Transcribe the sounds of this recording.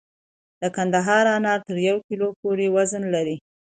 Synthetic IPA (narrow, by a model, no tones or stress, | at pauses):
d̪̥əkand̪aɦɑɾɑnɑɾt̪əɾjawkilopoɾewazənlaɾi